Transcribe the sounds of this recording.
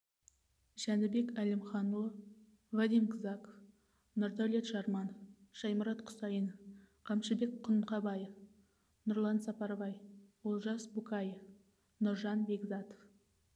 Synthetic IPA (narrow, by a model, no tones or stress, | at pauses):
ʒænɪbe̞kælɪmχɑnulˠə | vɑd̪imkʰəzɑko | nʊɾd̪æwlet̪ʃɑɾmɑnʃɑjməɾɑt̪qʰʊ̥sɑjən | qʰɑmʃɪbe̞kqʰʊnqɑbɑjəf | nʊɾlˠɑnsɑpɑɾvɑjwolˠʒɑsbukɑjəf | nʊɾʒɑnbe̞ɡzɑt̪o̥f